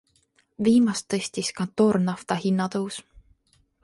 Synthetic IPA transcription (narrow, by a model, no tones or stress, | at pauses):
viːmɑst̪ːɤsʲt̪iskɑnt̪oːrnɑft̪ɑhinːɑt̪ɤws